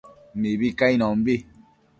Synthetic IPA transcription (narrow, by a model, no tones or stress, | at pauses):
mibikainɔm̩bi